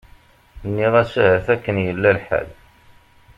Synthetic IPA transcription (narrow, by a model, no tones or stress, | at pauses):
nːiʁæsæhəθækːənjəlːælħæ̰l